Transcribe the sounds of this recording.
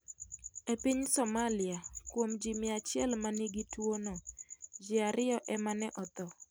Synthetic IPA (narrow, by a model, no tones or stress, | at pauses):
epiɲsɔmalɪakwomd͡ʒimɪat͡ʃɪɛlmaniɡitwonod͡ʒɪaɾʔɪɔʔɛmanɛʔɔt̪ɔ